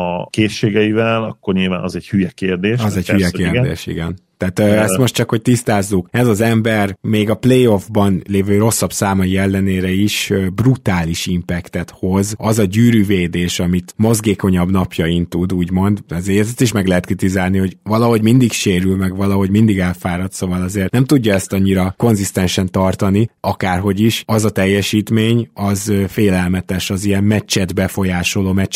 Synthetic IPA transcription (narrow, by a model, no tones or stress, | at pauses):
ɒkeːʃːeːɡɛivɛlɒkːo̞rɲilva̰ːnɒzɛɟhyjɛkeːrd̪eːʃɒzɛcyjɛkeːrd̪ḛːʃḭɡɛnt̪ɛaːt̪øɛst̪mo̞ʃtt͡ʃɒkho̞c̚t̪ist̪aːzːukɛzɒzɛmbɛrmeːɡɒplejo̞vbɒnleːvøːɾo̞sːɒbsaːmɒjiɛlːɛneːɾɛiʃøbrut̪aːliʃimpɛkt̪ɛt̪ho̞zɒzɒɟyːɾyveːd̪eːʃɒmit̪mo̞zɡeːko̞ɲɒbnɒpjɒint̪ud̪uːɟmo̞nd̪ɛzɛzt̪iʃmɛɡlɛɦɛt̪krit̪izaːlniho̞ɟvɒlɒɦo̞ɟmind̪ikʃeːɾylmɛɡʋɒlɒɦo̞ɟmind̪iɡɛlfaːɾɒt̪sovɒlɒzeːrnɛmt̪uɟːɒɛst̪ɒɲːiɾɒko̞nzist̪ɛnʃɛnt̪ɒrt̪ɒniɒkaːrɦo̞ɟiʃɒzɒt̪ɛjːɛʃiːt̪meːɲɒzfeːlɛlmɛt̪ɛʃɒziɛmmɛt͡ʃːɛd̪bɛfo̞jaːʃo̞loːmɛt͡ʃː